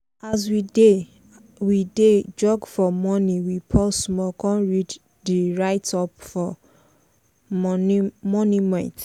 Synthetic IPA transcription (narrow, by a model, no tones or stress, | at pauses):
as̬wide | wided͡ʒɔɡfɔmɔ̃nĩwipʰɔsmɔkɔ̃nɹid͡ʒ | diɹaɪtɔpfɔ | mɔnĩmɛ̃nt